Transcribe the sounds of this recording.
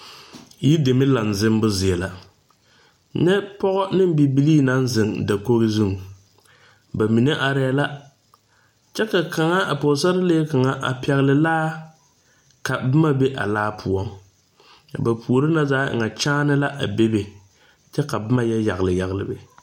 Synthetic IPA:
ji˦de˨mɪ˦la˨n˨zɪ˦m˦bʊ˦zɪ˨ɛ˨la˨ | nɛ˦pɔ˦ɣɔ˦nɪ˦m˦bi˨bi˦liː˦na˦n˦zɪ˨ŋda˨ko˦ɣɪ˦zu˦ŋ˨ | ba˨mi˨ne˦ʔa˨ɾɪ˦a˦la˦ | t͡ʃɛ˦ka˨ka˨ŋa˦ʔa˨po˨sa˦ɾɪ˦leː˦ka˨ŋa˦ʔa̰˨pɛ˨ɣlɪ˨laː˦ | ka˨bɨ˦ma˦be˦ʔa̰˨laː˦pʰʊ˨ɔ˦ŋ˨ | ba˨pʰu˨ɾɪ˦na˦zaː˦ɪ̰˨ŋa˨t͡ʃaː˦nɨ˦la˦ʔa˨be˦be˨ | t͡ʃɛ˦ka˨bɨ˦ma˦jɛ˦ja˨ɣlɨ˨ja˨ɣlɨ̰˨bɪ˨

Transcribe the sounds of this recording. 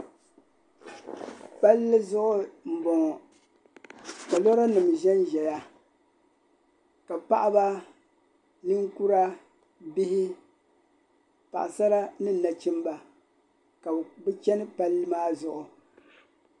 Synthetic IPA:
pa˦lːɨ˦zʊ˦ʔʊ˦m̩˨bɔ˨ŋ˨ | ba˨lɔ˦ɾa˦nɨ˨m˨ʒɛ˦nʒɛ˨ja˦ | ka˨pa˦ʔa˦ba˦ | nɨ˦ŋku˦ɾa˦ | bi˦hɪ˦ | pa̰˨ʔa˨sa˦ɾa˦nɨ˦˨na˨t͡ʃi˦m˦ba˨ | ka˨bɨ˦t͡ʃɛ˦nɨ˦pa˦lːɨ˦maː˦zʊ˦ʔʊ˨

